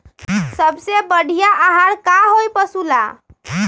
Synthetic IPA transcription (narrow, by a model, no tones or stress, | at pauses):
səbsebəɽ̤ʱijaʔaɦaɽkaɦojpəsula